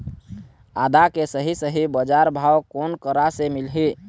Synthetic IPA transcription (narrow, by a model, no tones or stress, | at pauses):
ad̪akesəɦisəɦibəd͡ʒaɾbʱawkonkəɾasemilɦi